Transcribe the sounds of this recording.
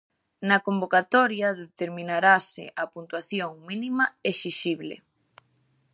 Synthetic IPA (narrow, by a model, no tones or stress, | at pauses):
nɐkombokat̪ɔɾjɐðet̪eɾmĩnaɾasɪ̰ʔɐpunt̪waθjoŋminimɐesiʃiβlḛ